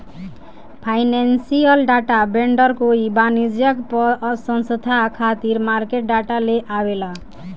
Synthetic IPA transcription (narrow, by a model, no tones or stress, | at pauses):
pʰajnansijəlɖaʈabeɳɖʌɾkoibanid͡ʒjʌkpɔsʌnsət̪akʰat̪iɾmaɾkeʈ̚ɖaʈaleʔawela